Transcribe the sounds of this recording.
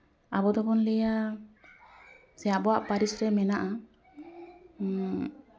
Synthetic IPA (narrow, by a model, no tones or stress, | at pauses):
abɔd̪ɔbɔnlɛja | sɛjabɔwaʔpaɾisɾɛmɛnaʔa